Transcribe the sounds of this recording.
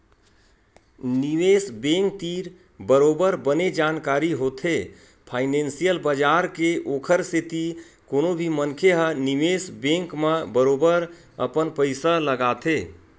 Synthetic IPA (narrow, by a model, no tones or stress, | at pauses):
nimesbẽŋk̚t̪iɾ | bəɾobəɾbəned͡ʒankaɾiɦot̪ʰe | pʰaɪnẽnsijəlbəd͡ʒaɾkeʔokʰəɾset̪i | konobʱimənkʰeɦənimesbẽŋkmebəɾobəɾ | ə̰pənpəɪsələɡat̪ʰe